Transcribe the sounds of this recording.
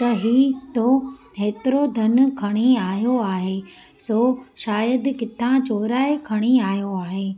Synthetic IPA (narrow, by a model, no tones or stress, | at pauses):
t̪ɐɦiːt̪okʰeːt̪ɪɾod̪ʱɐnkʰɐɽ̃iaːɦjoaːɦeː | soːʃaːjəd̪kɪt̪ʰãt͡ɕoːɾaːekʰɐɽ̃iaːɦjoaːɦeː